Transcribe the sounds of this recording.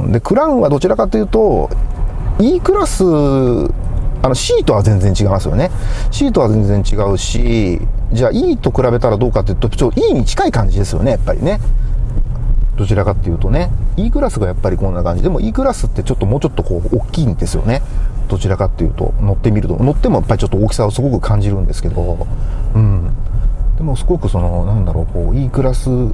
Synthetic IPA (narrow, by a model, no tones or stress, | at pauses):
d̪e̞kɯ̟ɾãɰ̃βad̪o̞t͡ɕiɾakat̪ːe̞jɯ̟ːt̪o̞ | iːkɯ̟ɾasɨ | ano̞ɕiːt̪o̞βazẽ̞nd͡zẽ̞ɲt͡ɕiɡaimasɨjone̞ɕiːt̪o̞βazẽ̞ñd͡zẽ̞ɲ̟t͡ɕiɡaɯ̟ɕid͡ʑaːʔiːt̪o̞kɯ̟ɾabe̞t̪aɾad̪o̞ːkat̪ːeiɯ̟t̪o̥t͡ɕoʔiːɲ̟it͡ɕi̥kaikãɲ̟d͡ʑid̪e̞sɨjo̰ne̞japːa̰ɾʲḭne̞ | d̪̥o̞t͡ɕiɾakat̪ːe̞jɯ̟ːt̪o̞ne̞iːkɯ̟ɾasɨɡajapːaɾʲikõ̞nːakãɲd͡ʑid̪e̞mo̞ʔiːkɯ̟ɾasɨt̪ːe̞t͡ɕo̞t̪ːomo̞ːt͡ɕo̞t̪ːo̞ko̞ːkʲːiːnd̪e̞sɨjo̰ne̞d̪̥o̞t͡ɕiɾakat̪ːe̞jɯ̟̰ːt̪o̞̰no̞t̪ːe̞mʲiɾɯ̟t̪o̞̰no̞t̪ːe̞mo̞japːaɾit͡ɕo̞t̪ːookʲi̥saosɨɡo̞kɯ̟kʰãɲ̟d͡ʑiɾɯ̟̃nd̪e̞sɨ̥ke̞d̪o̞ɯ̟̃ɴ | d̪̥e̞mo̞sɨɡo̞kɯ̟so̞no̞nãnd̪aɾo̞̰ːko̞ːiːkɯ̟ɾasɨ